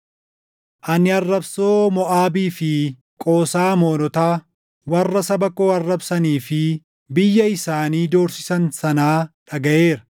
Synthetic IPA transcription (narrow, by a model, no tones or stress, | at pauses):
ʔɐnɪɐrːɐbsoːmɔʔaːbiːfɪ | kʼo̞ːsaːmo̞ːnɔt̪aː | wɐrːɐsɐbɐkoːɐrːɐbsɐniːfɪ | bɪjːɐɪsaːniːd̪o̞ːɾsɪsɐnsɐnaːᶑɐɡɐʔe̞ːɾɐ̥